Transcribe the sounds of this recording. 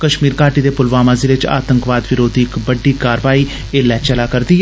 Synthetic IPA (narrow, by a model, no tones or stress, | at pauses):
kəʃmiːɾkaːʈiːd̪eːpʊlʋaːmaːziːlɪt͡ʃa̰ːt̪əŋkʋaːd̪ʋɪɾoːd̪iɪkbəɖiːkaːɾʋaːiː | eːlɛːt͡ʃəlaːkəɾd̪iː